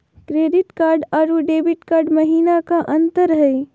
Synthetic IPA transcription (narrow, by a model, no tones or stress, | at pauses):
kɾeːɖɪʈkaːɾɖaɾuɖeːbɪʈkaːɾɖməɦiːnakaʔənt̪əɾɦəj